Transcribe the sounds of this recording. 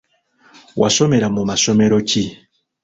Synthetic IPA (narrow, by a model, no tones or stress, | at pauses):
wʔa̰sɔmɛɾamomasɔmɛɾɔki